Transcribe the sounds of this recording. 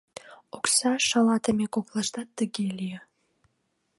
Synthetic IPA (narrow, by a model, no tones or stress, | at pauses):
oksɑʃɑlɑt̪əmekoplˠɑʃt̪ɑt̪ːəɣelʲijə